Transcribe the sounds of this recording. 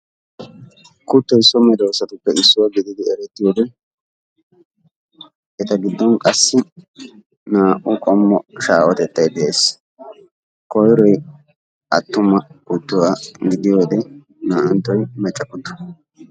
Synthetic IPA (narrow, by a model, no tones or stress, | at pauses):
kʊt̪ːɔjsɔmɛd̪oːsɐt̪ʊpːɛɪsːʊwaɡɪd̪ɪd̪ɪɛɾɛt̪ːɪjoːd̪ɛ | ɛt̪ɐɡɪd̪ːɔnkʼɐsːɪ | naːʔʊkʼɔmːɔʃaːwɔt̪ɛt̪ʼːɐjd̪ɛʔeːs | kɔjɾɔj | ɐt̪ːʊmɐkʊt̪ːʊwaːɡɪd̪ɪjoːd̪ɛ | naːʔɐnt̪ːɔjmɛt͡ʃʼːɐkːʊt̪ːʊ̥